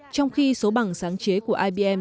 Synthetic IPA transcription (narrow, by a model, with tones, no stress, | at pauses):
t͡ɕɔ˧wŋ͡mxi˧so˨˦ɓa˨˩ŋsaː˨˦ŋt͡ɕe˨˦ku˧˩əʔaː˧ɓi˧ʔɛ˧m